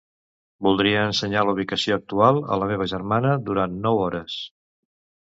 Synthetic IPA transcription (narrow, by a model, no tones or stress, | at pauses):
bulˠd̪ɾiəːnsəɲaluβ̞ikəsioək̚t̪ualˠə̰ləmeβ̞əʒəɾmanəd̪uɾannɔwɔɾəs